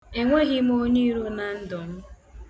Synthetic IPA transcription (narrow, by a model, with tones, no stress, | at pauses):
e˨ŋʷe˦ɣɪ˦m˦o˦ɲi˦ɾu˦na˨n̩˦dɔ˨m̩˦